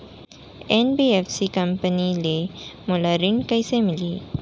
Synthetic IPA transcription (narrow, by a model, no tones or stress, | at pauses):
enbiefsikəmpənilemulaɾiɳɖkəjsemiliː